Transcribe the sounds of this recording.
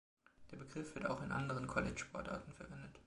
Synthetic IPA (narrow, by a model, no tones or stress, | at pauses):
d̥eːɐbəɡʁɪfv̥ɪta̰ʊxɪnʔa̰ndəʁ̞ənkʰɔlɪt͡ʃʃpʰɔɐtʔa̰ɐtn̩fɛɐvɛndət